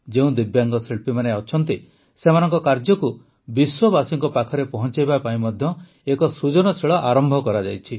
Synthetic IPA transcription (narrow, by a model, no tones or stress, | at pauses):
d͡ʒeũd̪ibjaŋɡɔseɭpimaneɔt͡ʃʰɔnt̪i | semanɔŋkɔkaɾd͡ʒɔku | biswɔbasiŋkɔpakʰɔɾepɔɦɔnt͡ʃajbapaĩmɔd̪ʱjɔ | ekɔsɾud͡ʒɔnɔsiɭɔʔaɾɔmbʱɔkɔɾad͡ʒajt͡ʃʰi